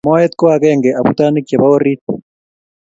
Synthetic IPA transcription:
mo˦et̪ko˦aɣeːŋɡeʔa˨βu˦taː˦ni˦kie˨βa˦o˦ɾit

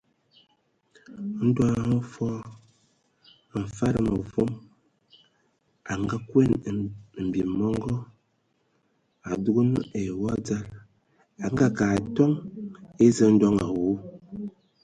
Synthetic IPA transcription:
n̩˦dwa˦˨ŋo˦fɔ˦˨ | ɱ̩˨fa˦ɾə˨mə˨fo˦m | a˨ŋɡa˦kwe˦n˨m̩˨bi˨mɔ˦ŋɡɔ˦ | a˨du˦ɡu˦nu˦ʔe˨wɔ˦d͡za˦l | a˨ŋɡa˦ka˨tɔ˦ŋe˦zə˦n̩˦dɔ˦ŋa˨wu˦

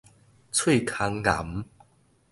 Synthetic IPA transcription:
t͡sʰwe˥˨kʰa˧˦ŋla̰˨˦m

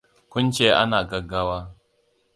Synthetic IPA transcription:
kʷʊ˦nt͡ʃeː˦ʔa̰˦naː˨ɡɐ˦ɡaː˦waː˦

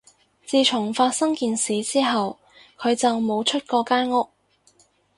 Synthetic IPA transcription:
t͡siː˨˧t͡ʃʰʊ˨˩ŋfaː˧t̚sɐ˥ŋkiː˨nsiː˨˧t͡siː˥ɦɐ˨w | kʰɵ˨˧ɥt͡sɐ˨wmo˨˧wt͡ʃʰɵ˥t̚kɔː˧kaː˥nŋʊ˥k̚

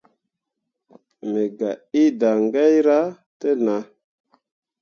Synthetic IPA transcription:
me˨ɡa˨i˦da˨ŋɡa˦jɾa˦ | te˦na˨

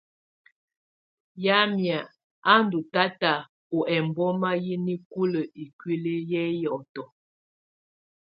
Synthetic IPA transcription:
ja˦mja˨ | a˦n˨du˨ta˦ta˨ | o˨ɛ˨m˨bɔ˦ma˦ji˦ni˦ku˦lə˨i˨kwi˦le˦jɛ˦jɔ˨tɔ˨

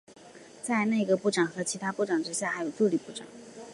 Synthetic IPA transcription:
t͡sa˥˧ɪna˥˩i˧˥ɡə˧pu˥˩ʈ͡ʂɑ˨˩ŋxɤ˧˥t͡ɕʰi˧˥t̪ʰa˥pu˥˩ʈ͡ʂɑ˨˩ŋʈ͡ʂɻ̩˥ɕja˥˩xa˧˥ɪjo˨˩ʊt̪u˥˩li˨˩pu˥˩ʈ͡ʂɑ̰˨˩˦

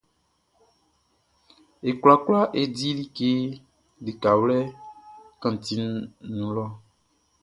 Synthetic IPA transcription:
e˨kla˨kla˦ʔe˨di˦li˦ke˦ | le˨ka˨wlɛ˦ | kã˨ti˨nũ˨˦lɔ˦

